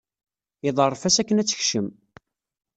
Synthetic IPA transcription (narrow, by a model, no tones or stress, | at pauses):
iðˤərˤːfæsækːənæt͡sːə̥çʃəm